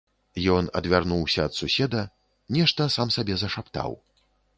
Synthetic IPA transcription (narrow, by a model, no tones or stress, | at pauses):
jɔnɐ̰d̪vʲarnuwsʲɐːt̪susʲɛd̪ɐ | nʲɛʂt̪ɐsamsabʲɛzɐʂapt̪a̰w